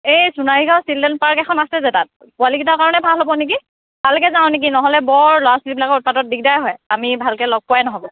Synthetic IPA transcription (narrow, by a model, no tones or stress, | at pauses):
ejsunaɹiɡãʊ̃sildɛnpaɹkɛkʰɔnasɛzɛtat̚ | kʊaliɡitakaɹɔnɛbʱalɦobɔnik̬i | talʊkɛzãʊ̃nik̬inɔɦɔlɛbɔɹlɔwasulibilakɔut̚padɔt̚diɡ̚dajɦɔjamibʱalkɛlɔɡ̚pwajnɔɦɔbɔ